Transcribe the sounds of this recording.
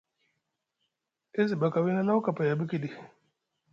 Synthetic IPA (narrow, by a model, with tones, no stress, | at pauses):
e˦zi˨ba˨ka˨wi˦na˦na˦u˦ka˨pa˨ja˨bi˦ki˦˨di˨